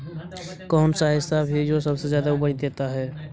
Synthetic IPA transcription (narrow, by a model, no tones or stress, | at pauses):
kɔːnsaɦɪsabʱid͡ʒoːsɐbsezjaːd̪aʊbəɽid̪eːt̪aɦɛː